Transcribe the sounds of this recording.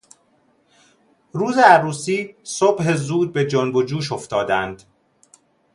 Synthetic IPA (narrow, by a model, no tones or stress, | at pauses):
ɾuːzeæɾuːsiːsobhe̞zuːd̪̚be̞d͡ʒonbod͡ʒuːʃ̬oft̪ɒːd̪ænd̪̥